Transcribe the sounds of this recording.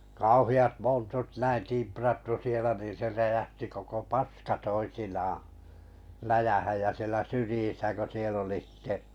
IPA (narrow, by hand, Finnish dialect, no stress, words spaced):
kɑuhiɑt montut næin timprɑtːu sielæ nin̞ se ræjæhti koko pɑskɑ toisinɑːɑ̃ læjæhæj jæ sielæ syrĭjisæ ko siel oli sĭte